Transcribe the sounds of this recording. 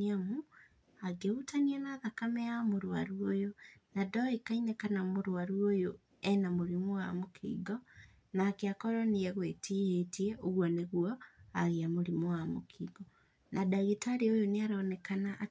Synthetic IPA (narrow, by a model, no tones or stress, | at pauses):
amu | aɡeutanianaðakamɛjamoɾwaɾuojonadɔikaiɲakanamoɾwaɾuojo | ɛnamoɾimuwamokʰḭːɡɔ | nakeakɔɾɔnijɛɣwetijetieoɣwɔneɣwɔaɣiamoɾimowamokʰiɡɔ | nadaɣitaɾiojoniaɾaːnɛkanaʔ